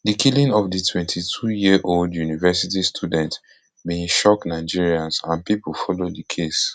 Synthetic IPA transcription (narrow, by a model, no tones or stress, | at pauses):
dikʰilĩŋɔfditʰwɛ̃ntʰitʰujiʔoldjunivɛsit̬istʰudɛ̃nt | bĩnʃɔknaɪd͡ʒiɹiãnsãnpipulfɔlodikʰes